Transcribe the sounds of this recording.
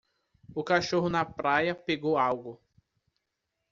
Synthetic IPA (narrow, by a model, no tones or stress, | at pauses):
ʊkaʃoɦʊnɐpɾajɐpeɡowawɡʊ